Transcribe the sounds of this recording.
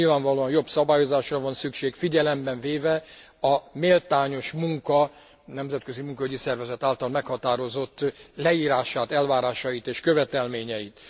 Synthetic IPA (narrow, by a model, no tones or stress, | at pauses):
ilvaːɱvɒloːɒnjo̞bsɒbaːjo̞zaːʃrɒvɒnsykʃeːkfiɟɛlɛmbɛɱveːvɛɒmeːlt̪aːɲo̞ʃmuŋkɒ | nɛmzɛt̪kø̞zimuŋkɒyɟisɛrvɛzɛt̪aːlt̪ɒlmɛkhɒt̪aːɾo̞zo̞t̪ːlɛiːɾaːʃaːt̪ɛlvaːɾaːʃɒjit̪eːʃkøvɛt̪ɛlmeːɲɛjit̪